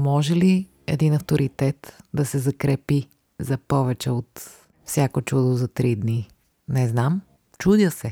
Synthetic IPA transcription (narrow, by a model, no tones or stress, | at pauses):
mɔʒɛli | ɛ̰d̪inɐft̪oɾʔit̪ɛt̪d̪ɐsɛzɐkɾɛpi | zɐpɔvɛt͡ʃɛot̪ | fsʲjakot͡ʃud̪ozɐt̪ɾid̪ni | nɛznam | t͡ʃud̪ʲəsɛ